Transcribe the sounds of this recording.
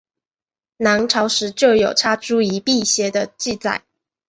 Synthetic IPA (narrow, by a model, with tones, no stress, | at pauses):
na˧˥nʈ͡ʂʰɑ˧˥ʊʂɻ̩˧˥t͡ɕjo˥˩ʊjo˨˩ʊʈ͡ʂʰa˥ʈ͡ʂu˥i˧˥pi˥˧ɕjɛ˧˥d̪ə˧t͡ɕi˥˧t͡sa̰˥˩ɪ